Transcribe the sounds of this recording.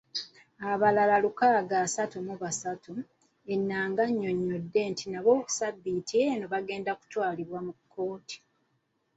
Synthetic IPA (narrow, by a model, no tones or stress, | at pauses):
aβalalalukaɡasatumuβasatʰu | e̞nːaːŋɡaɲːo̞ɲːo̞dːe̞ːntʰinaβo̞ːku̥sabːitieno̞βaɡe̞ːndaku̥twaːliβwamukʰːo̞ːti̥